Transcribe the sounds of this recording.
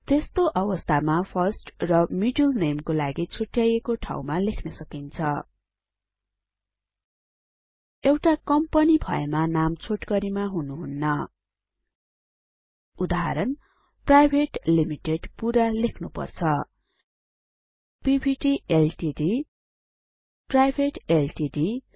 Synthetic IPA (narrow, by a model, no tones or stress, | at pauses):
t̪est̪oʔʌwʌst̪ʰamapʰʌrsʈrʌmiɖulnemkolaɡit͡sʰoʈjajekoʈʰa̰wmalekʰnʌsʌkint͡sʰʌ | ewʈakʌmpʌnibʱʌ̰ḛmanamt͡sʰoʈkʌɾimaɦunuɦunːʌ | ud̪aɦa̰ɾʌn | prajbʱeʈlimiʈeɖpuɾalekʰnupʌ̰rt͡sʰʌ | pibʱiʈielʈidi | prajbʱeʈelʈiɖi